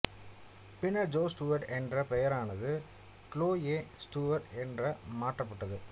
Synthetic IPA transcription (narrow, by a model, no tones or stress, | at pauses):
pɪnɐd͡ʒoːsʈuːʋɐɾʈɛndrɐpɛjɐɾaːnɐðɯ | kloːjeːsʈuːʋɐɾʈɛndrɐmaːʈrɐpːɐʈːɐðɯ